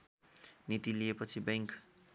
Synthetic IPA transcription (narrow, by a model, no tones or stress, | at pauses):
nit̪iliepʌt͡sʰibeŋk